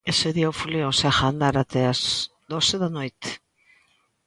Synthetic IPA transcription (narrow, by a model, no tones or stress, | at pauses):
eseðiawfuleoseaxand̪aɾat̪eas | d̪oseðanojt̪